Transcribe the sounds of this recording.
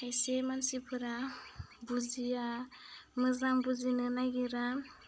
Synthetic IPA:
ajsemansipʰɯɾabud͡ʒija | mɯzambuzinɯnaɡiɾa

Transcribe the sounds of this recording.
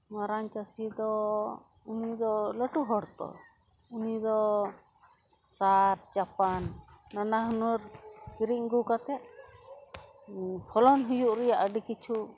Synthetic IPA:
maɾaɲt͡ʃasid̪ɔ | unid̪ɔləʈuɦɔɽt̪ɔ̰ | unid̪ɔ | saɾd͡ʒapanːanaɦunuɾiɾiʔ̚ɡukat̪ɛt̪̚ | pʰɔlɔnɦujuʔɾɛjaʔəɖikit͡ʃʰu

